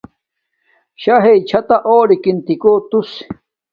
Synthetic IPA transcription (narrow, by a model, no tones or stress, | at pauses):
ɕaɦejt͡ɕʰat̪aʔoːɾikint̪ikoːt̪us